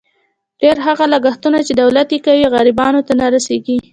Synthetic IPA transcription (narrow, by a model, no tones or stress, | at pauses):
ɖ̥eɾɦaɣalaɡaxt̪unat͡ʃed̪awlat̪jekawiɣaɾɪbɑnot̪anaɾaseɡi